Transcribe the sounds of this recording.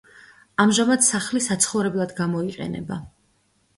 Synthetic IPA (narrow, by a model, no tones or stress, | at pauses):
amʒamad̪saχlisat̪sʰχɔvɾɛblˠad̪ɡamɔiqʼɛ̰nɛ̰ba